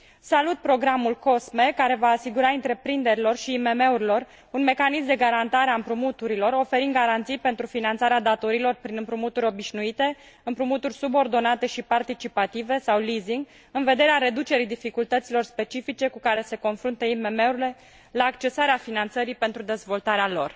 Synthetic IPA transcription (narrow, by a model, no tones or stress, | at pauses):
salut̪̚pɾo̞ɡɾamulko̞sme̞kaɾe̞vaːsiɡuɾaɨnt̪ɾe̞pɾind̪e̞ɾilo̞rʃiːme̞me̞uɾilo̞r | unme̞kanismd̪e̞ɡaɾant̪aɾeaɨmpɾumut̪uɾilo̞ɾo̞fe̞ɾind̪ɡaɾant̪sijpe̞nt̪ɾufinant̪saɾead̪at̪o̞ɾilo̞rpɾinɨmpɾumut̪uɾʲo̞biʃnuit̪e̞ | ɨmpɾumut̪urʲsubo̞rd̪o̞nat̪e̞ʃipart̪it͡ʃipat̪ive̞sawliziŋɡ | ɨnve̞d̪e̞ɾeaɾe̞d̪ut͡ʃe̞ɾid̪ifikult̪ət̪silo̞rspe̞t͡ʃifit͡ʃe̞kukaɾe̞se̞ko̞nfɾunt̪əime̞me̞uɾile̞ | laːkt͡ʃe̞saɾeafinant̪səɾipe̞nt̪ɾud̪e̞zvo̞lt̪aɾealo̞r